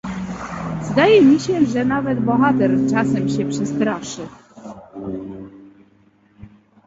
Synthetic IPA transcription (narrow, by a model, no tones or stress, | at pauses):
zd̪ajɛmʲiɕɛʐɛnavɛd̪bɔxat̪ɛɾt͡ʂasɛmɕɛpʂɛst̪ɾaʂɘ